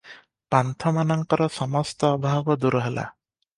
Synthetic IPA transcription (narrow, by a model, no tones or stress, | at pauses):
pant̪ʰɔmanɔŋkɔɾɔsɔmɔst̪ɔːbʱaɡɔd̪uɾɔɦela̰